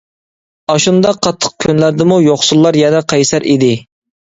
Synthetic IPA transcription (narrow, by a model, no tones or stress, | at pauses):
ɑʃund̪ɑqʰːɑt̪ʰːə̥q̚kʲʰynlæɾd̪ɪmujoχsulˠːɑɾjɛnɛqʰɑjsæɾʔid̪ɪ